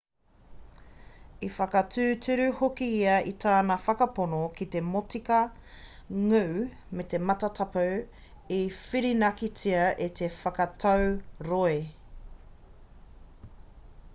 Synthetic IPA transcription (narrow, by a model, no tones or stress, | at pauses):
ifɐkɐtʰʉːtʰʉɾʉhokiiɐitʰaːnɐfɐkɐponokit̪e̞motikɐ | ŋʉw | met̪e̞mɐtɐtʰɐpɐw | ifiɾinɐkit͡siɐʔet̪ʰefɐkɐtʰɐwɾoe